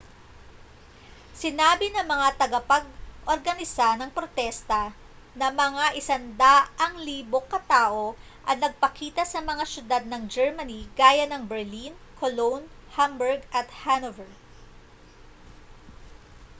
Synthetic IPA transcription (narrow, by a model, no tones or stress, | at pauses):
sɪnaːbɪnɐŋmɐŋat̪ɐɡɐpɐɡ̚ʔoɾɡɐnɪsanɐŋpɾot̪ɛst̪ɐ | nɐmɐŋaʔɪsɐnd̪aʔɐŋliːbo̞kːɐt̪aːʔo̞ | ʔɐt̪̚nɐɡ̚pɐkiːt̪ɐsɐmɐŋasjʊd̪ad̪̚nɐŋd͡ʒɛɹmɐniɡ̥aːjɐnɐŋbɛɹlinkʰolownhambɛɹɡʔɐt̪hanovɛɹ